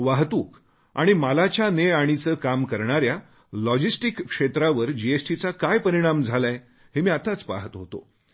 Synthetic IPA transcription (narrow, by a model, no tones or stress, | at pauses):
ʋaɦt̪uːk | aɽ̃imalat͡ɕjaneaɽ̃it͡səːkamkəɾɳ̃aɾja | lɔd͡ʑisʈikːʂet̪ɾaʋəɾd͡ʑiesʈit͡sakajpəɾiɽ̃amd͡zʱalaj | ɦemiːat̪at͡spa̰ɦət̪ɦot̪o̰